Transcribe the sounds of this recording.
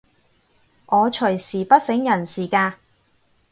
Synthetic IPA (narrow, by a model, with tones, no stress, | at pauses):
ʔɔː˨˧t͡ʃʰɵ˨˩jsiː˨˩pɐ˥t̚sɪ˨˥ŋjɐ˨˩nsiː˨˩kaː˧